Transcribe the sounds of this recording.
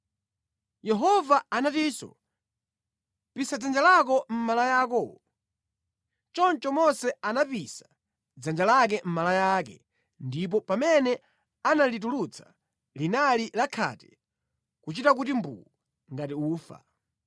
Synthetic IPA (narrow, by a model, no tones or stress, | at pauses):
jɛɦɔvaanatisɔ̰ | pisad͡zand͡ʒalak̬ɔm̩malajakɔ | t͡ʃɔnt͡ʃɔmɔnsɛanapisḁ | d͡zand͡ʒalak̬ɛm̩malajak̬ɛ̰ | ndip̬ɔpamɛnɛ | analit̬ulut͡sʰḁ | linalilakʰa̰tɛ̥ | kut͡ʃitak̬utimbṵu | ŋɡatiuːfa̰